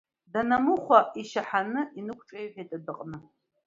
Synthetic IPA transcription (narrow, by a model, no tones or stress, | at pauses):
danamɨχʷaʔiʃaħanɨʔinɨkʷʰʈ͡ʂʼajħʷᶣajtʼadɨqʼnɨ